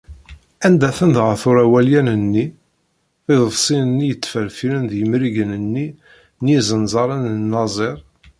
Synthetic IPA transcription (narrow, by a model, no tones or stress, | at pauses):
ænd̪æθənd̪ʁəθʊɾæwæljænənːi | θɪðˤəvsˤinənːijət͡sːfəɾfilənðjəmɾiʝənənːi | njizˤənzˤɑɾˤənənːɑzˤeɾˤ